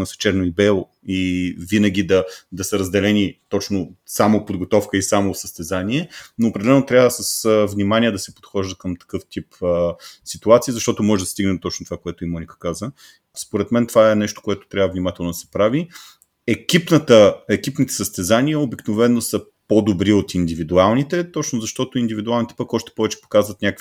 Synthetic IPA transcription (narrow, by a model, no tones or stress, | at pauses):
nɐsɛ̥t͡ʃɛɾnoibɛlˠo | ivinəɡ̟id̪ɐd̪ɐsɐɾəzd̪ɛlɛnit̪ɔt͡ʃnosamopod̪ɡot̪ɔfkəisamosəst̪ɛzanʲiɛnoːpɾɛd̪ɛlɛnot̪ɾʲjavəsəsəvnimaniəd̪ɐsɛpo̥t̪xɔʒd̪əkəmt̪ɐ̥kɤft̪ipəsit̪uat̪siːzɐʃt̪ɔt̪omɔʒɛd̪ɐst̪iɡnɛd̪ot̪ɔt͡ʃnot̪ovakoɛt̪ʊimɔnʲikə̥kazə | spoɾɛt̪mɛnt̪ovaɛnɛʃt̪o̥koɛt̪o̥t̪ɾʲavəvnimat̪ɛlˠnod̪ɐsɛpɾavi | ɛkipnət̪əɛkipnit̪ɛ̥səst̪ɛzaniəobiknovɛnːosə | pod̪obɾiot̪ind̪ivid̪ualˠnit̪ɛt̪ɔt͡ʃnozɐʃt̪ɔt̪ʊind̪ivid̪ualˠnit̪ɛ̥pəkɔʃt̪ɛ̥pɔvɛt͡ʃɛ̥po̥kazvət̪nʲakəkf